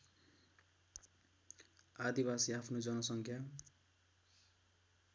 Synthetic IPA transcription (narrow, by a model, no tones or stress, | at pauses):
ad̪ibasiapʰnod͡zʌnʌsʌŋkʰja